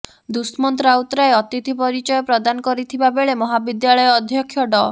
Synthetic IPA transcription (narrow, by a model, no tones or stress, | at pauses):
d̪usmɔnt̪ɾaut̪ɾaeɔt̪it̪ʰipɔɾit͡ʃɔjɔpɾɔd̪anɔkɔɾit̪ʰibabeɭemɔɦabid̪jaɭɔjɔːd̪ʱjɔkʰjɔɖɔ